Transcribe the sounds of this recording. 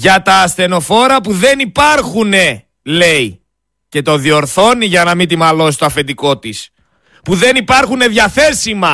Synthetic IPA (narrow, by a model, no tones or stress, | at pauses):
ʝɐt̪ɐːst̪e̞no̞fo̞ɾɐpuðe̞nipɐɾxune̞ | le̞i | ce̞t̪o̞ðio̞ɾθo̞niʝɐnɐmit̪imɐlo̞sist̪oɐfe̞nd̪iko̞t̪is | puðe̞nipɐɾxune̞ðjɐθe̞simɐ